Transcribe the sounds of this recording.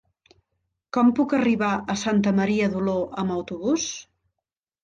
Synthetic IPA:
kɔmpukəriβaəsant̪̬əməɾiəðuloʔəməwt̪uβus

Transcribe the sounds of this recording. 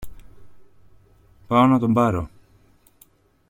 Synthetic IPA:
paonat̪ombaɾo

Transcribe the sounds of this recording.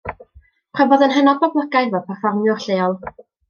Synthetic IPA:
pʰrɔbɔðənɦɛnɔdɔblˠəɡajðɔpʰɛrfɔrmjɔɬeːɔlˠ

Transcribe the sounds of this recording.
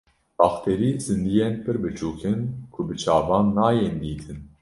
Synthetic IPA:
b̥ɑːxt̪ʰeɾiːzɨnd̪ijenpʰɨɾbɨt͡ʃʰuːkʰɨnkʰʊbɨt͡ʃʰaːvɑːnːaːjend̪iːt̪ʰɨn

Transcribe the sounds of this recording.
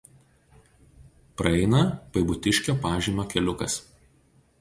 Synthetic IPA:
pɾɐɛɪnɐpɐɪbʊt̪ʲɪʃʲkʲoːpɑːʒʲiːmʲoːkʲɛlʲʊkɐ̰s

